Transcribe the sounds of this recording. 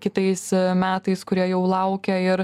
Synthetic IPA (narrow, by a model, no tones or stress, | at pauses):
kʲɪt̪ɐɪsmʲæːt̪ɐɪskʊɾʲiɛjɛʊlˠɐʊkʲɛɪɾ